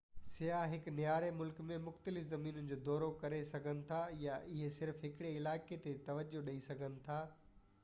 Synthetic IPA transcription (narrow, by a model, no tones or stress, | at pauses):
sɪjaːɦɪknɪjaːɾemʊlkmẽmʊxt̪əlɪfzɐmiːnənɪ̆d͡ʑoːd̪ɔːɾokɐɾesɐɡʱənɪ̆t̪ʰajaʔɪɦesɪɾfɦɪkɪɽeɪlaːket̪et̪ɐʋəd͡ʑoɗɐisɐɡʱənɪ̆t̪ʰaː